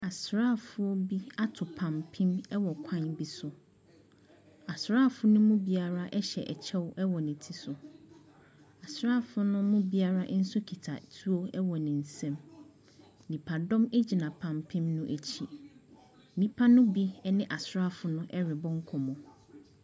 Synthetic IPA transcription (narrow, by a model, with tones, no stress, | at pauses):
a˨sɾaː˦˨fʊ˦o˦bi˦a˦tʰʊ˨pʰã˨mpʰĩ˦mɛ˦wɔ˨kʷʰã˦˨nbi˦sʊ˨ | a˨sɾaː˦˨fʊ˦nʊ̃˦mʊ̃˦bi˦a˨ɾa˦ʔɛ˦ɕɛ˨ʔɛ˨t͡ɕʰɛ˦wʔɛ˦wɔ˨nɪ̃˨tʰi˦sʊ˨ | a˨sɾa˦˨fʊ˦nʊ̃˦mʊ̃˦bi˦a˦ɾa˦ʔn̩˦sʊ˦kʰi˨tʰa̰˨tʰu˦o˦ɛ˦wɔ˨nɪ̃˨n̩˨sɛ̃˦m | nĩ˨pʰa˨dɔ̃˦me˦d͡ʑi˨nã˨pʰã˨mpʰĩ˦mnʊ̃˦ʔe˨t͡ɕʰi˨˦ | nĩ˦pʰa˦nʊ̃˦bi˦ɛ˦nɪ̃˦ʔa˨sɾa˦˨fʊ˨nʊ̃˦ʔɛ˦ɾɪ˨bɔ̃˦ŋ˦kʰɔ˨mɔ̃˨